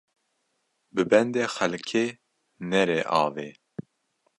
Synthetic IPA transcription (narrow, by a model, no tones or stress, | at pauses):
bɨbɛnd̪eːxɛlkʰeː | nɛɾeːʔɑːve